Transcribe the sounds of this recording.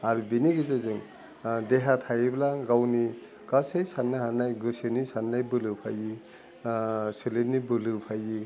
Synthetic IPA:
aɾubiniɡɯzezɯŋ | deɦatʰajiblaɡawni | ɡ̥asɯjsanːɯɦanːajɡɯsɯnisanːajbɯlɯpʰaji | sɯlenibɯlɯpʰaji

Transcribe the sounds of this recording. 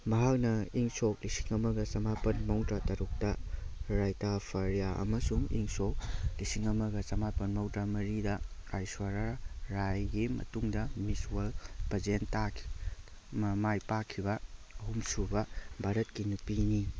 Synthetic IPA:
mɐɦak̚nɐiŋsoklisi̥ŋɐmɐɡɐsɐmapɐnmɐwtɾatɐɾuk̚tɐɾajtapʰɐɾjaɐ̰mɐsuŋḭŋsok̚lisiŋɐmɐɡɐsɐmapɐnmɐwtɾamɐɾidɐkajswaɾaɾajɡimɐ̰tuŋdɐmiswɐlpɐzentakʰi̥ | mɐmajpakʰibɐːɦumsubɐbʱaɾɐtkinupini

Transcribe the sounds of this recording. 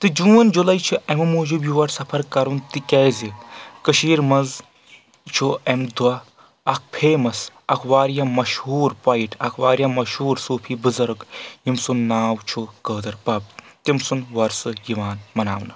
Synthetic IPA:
t̪ɨd͡ʒũːɐnd͡ʒulɐjt͡ʃʰiʔɐmɐmuːd͡ʒubjuʋɐɾsɐpʰɐɾkɐɾunt̪ikʲɛːzikɨʃiːɾmɐz | t͡ʃʰuʔɐmd̪wɐ | ɐk̚ʰpʰeːmɐs | ɐkʰʋaːɾjamɐʃhuːɾpɐjiʈʰɐkʰwaːɾjamɐʃhuːɾsuːpʰiːbɨzɐɾɡjimsunːaːwt͡ʃʰukəːd̪ɐɾpɐb̚t̪imsunʋɐɾsɨjiʋaːnmɐnaːwnɨ

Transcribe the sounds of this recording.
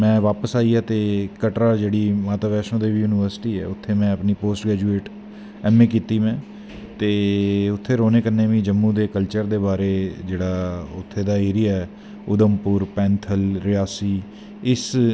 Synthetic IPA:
mɛ̃ːʋaːpəsaːiːaːt̪eːkəʈɾaːd͡ʒeːɽiːmaːt̪aːʋɛːʃõːd̪eːʋijuːnɪʋəɾsɪ̥ʈiːɛ̰ːʊt̪ʰːeːmɛ̃ːəpniːpoːsʈɡɾɛːd͡ʒuːeːʈ | ɛːmẽːkiːt̪iːmɛ̃ː | t̪eːʊt̪ʰːeːɾoːneːkəɾneːʋĩːd͡ʒəmːũːd̪eːkəlt͡ʃəɾd̪eːbaːɾeːd͡ʒeːɽaːʊt̪ʰːeːd̪aːeːɾɪjaːɛː | ʊd̪əmpʊɾpɛ̃ːnt̪ʰəlɾɪjaːsiː | ɪs

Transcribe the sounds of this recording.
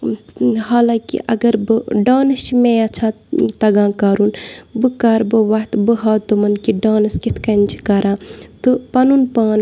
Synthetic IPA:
haːlãːkḭʔɐɡɐɾbɨɖaːnɐst͡ʃʰimeɐt͡ʃʰãː | t̪ɐɡãːkaːɾuːnbɨkaːɾbɨʋɐɦt̪bɨɦaːt̪umɐnkiɖaːnɐskit̪ʰkɐnt͡ʃʰi̥kɐɾãːt̪ɨpɐnuːnpaːn

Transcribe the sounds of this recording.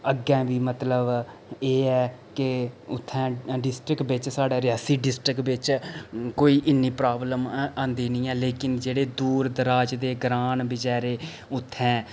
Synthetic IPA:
əɡɛ̃ːʋiːmət̪ləb | eːɛːkɪʊt̪ʰːɛ̃ːɖɪsʈɾɪkbɪt͡ʃsaːɖaːɾɪjaːsiːɖɪsʈɾɪkbɪt͡ʃkoːiːʔɪnːiːpɾaːbləmãːnd̪iːnĩːɛːleːkɪnd͡ʒeːɽeːd̪uːɾd̪əɾaːd͡ʒd̪eːɡɾaːnbɪd͡ʒaːɾeː | ʊt̪ʰːɛ̃ː

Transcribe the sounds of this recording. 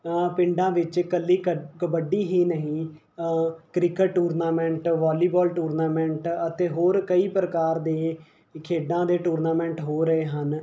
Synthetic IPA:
pɪ̃ɳɖãːʋɪt͡ʃkəlːiːkəbəɖiːɦiːnəɦĩː | kɾɪkəʈʈːuːɾnaːmɛ̃ɳʈʋaːliːbɔːlʈuːɾnaːmɛ̃ɳʈət̪eːɦoːɾkəiːpɾəkaːɾd̪eː | kʰeːɖãːd̪eːʈuːɾnaːmɛ̃ːɳʈɦoːɾəeːɦən

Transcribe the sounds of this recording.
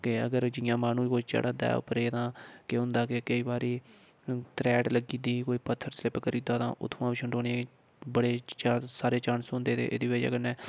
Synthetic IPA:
kɪəɡəɾd͡ʒɪjãːmaːnũːkoːit͡ʃə̰ːɽaːd̪a̰ːʊ̰pəɾeːt̪ãːkeɦʊ̃nd̪aːkekəiːbaːɾiː | t̪ɾɛːʈləɡiːd̪iːkoːiːpət̪ʰːəɾslɪpkəɾiːd̪aːt̪ã̰ːʔʊ̰t̪ʰːʋãːbiːʃʰəɳɖoːneãː | bəɽeːt͡ʃːsaːɾeːt͡ʃaːnsʊnd̪eːt̪ʰḛːʔḛd̪iːbeːd͡ʒ̰kənɛː

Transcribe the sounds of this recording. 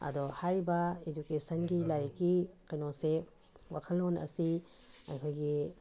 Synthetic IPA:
ɐ̰dɔhajɾibɐed͡ʒukesɐnɡilajɾkːikɐjnɔse | wa̰kʰəlonɐ̰sia̰jkʰojɡi

